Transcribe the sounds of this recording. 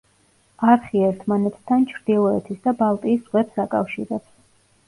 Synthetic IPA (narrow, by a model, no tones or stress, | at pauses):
aɾχiɛɾt̪ʰmanɛt̪ʰt̪ʰant͡ʃʰɾd̪ilˠɔɛt̪ʰisd̪abalˠt̪ʼiːsʁwɛpsakʼa̰fʃiɾɛps